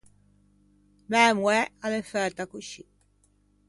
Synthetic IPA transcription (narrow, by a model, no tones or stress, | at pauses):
namwɛalefɛɾt̪akuʃi